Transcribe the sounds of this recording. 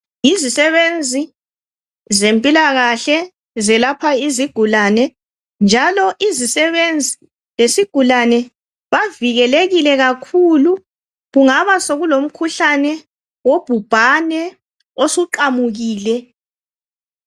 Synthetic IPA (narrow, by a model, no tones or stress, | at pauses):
izisɛβend͡zʱi | zempʼilaɣaɬɛ | zɛlapʰaiziɡ̥ʱulanɛ | nd͡ʒʱalɔʔizisɛβend͡zʱi | lesiɡ̥ʱulanɛ | βaviɣɛleɣilɛɣakʰulu | ɣuŋaβasoɣulom̩kʰuɬanɛ | wob̥ʱub̥ʱanɛ | osuǃamuɣiːlɛ